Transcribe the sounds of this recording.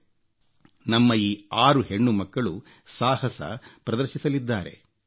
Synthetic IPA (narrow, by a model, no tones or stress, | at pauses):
nɐmːɐiːaːɾuhe̞ɳːumɐkːɐɭu | saːhɐsɐ̰pɾɐd̪ɐɾʃisɐlid̪ːaːɾe̞̰